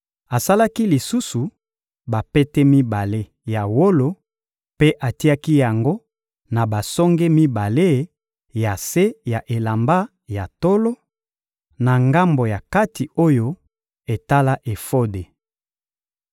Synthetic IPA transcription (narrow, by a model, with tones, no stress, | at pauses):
a˨sa˦la˦ki˦li˨su˦su˨ | ba˨pɛ˦tɛ˦mi˦ba˨le˦ | ja˨wo˦lo˦ | pe˦ʔa˨ti˦a˦ki˦ja˨ŋɡo˦ | na˨ba˨sɔ˦ŋɡe˦mi˦ba˨le˦ | ja˨se˦ja˨ʔe˨la˨mba˦ | ja˨to˦lo˦ | na˨ŋɡa˦mbo˨ja˨ka˦ti˨o˦jo˦ | e˨ta˦la˦ʔe˨fo˦de˨